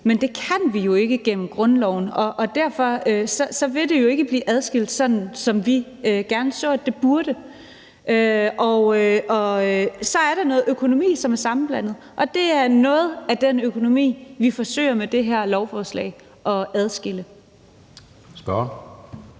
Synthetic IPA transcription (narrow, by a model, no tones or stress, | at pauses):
mend̥e̝kʰæn̰ʋijo̝e̝ɡ̥əɡ̥en̰m̩ɡ̥ʁɔ̽nlɒʊ̰n̩ɒ̽ʔːd̥æɐ̰fɒ̽øsɒ̽sɒ̽ʋe̝d̥e̝jo̝e̝ɡ̥əb̥lḭːʔæð̞ˠsɡ̥el̰d̥sɒ̽d̥n̩sɒ̽mʋiøɡ̥æɐnəsɔ̰̥̽ːe̝b̥uɐɾ̥ə | ʔøɒʊøʔɒ̽øsɒ̽æɐɾ̥ɑ̈nɔ̽ːð̩ˠøkʰo̝no̝mḭːsɒ̽mæɐsɑ̈mn̩b̥læn̰ð̞̩ˠʔɒ̽d̥e̝æɐnɔ̽ːð̞̩ˠæd̥enøkʰo̝no̝mḭːʋifɒ̽sø̰ːɪɐmed̥e̝ɦæɐ̰lɒʊfɒːslɛ̰ɪ̰ | ʔɒ̽æð̞ˠsɡ̥elə | sb̥ɒ